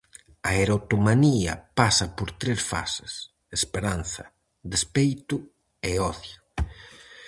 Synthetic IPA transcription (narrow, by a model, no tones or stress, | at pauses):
aeɾot̪umaniɐ̰pasɐpoɾt̪ɾesfa̰se̥s | espeɾanθɐ̰ | d̪espejt̪ʊ | eɔθja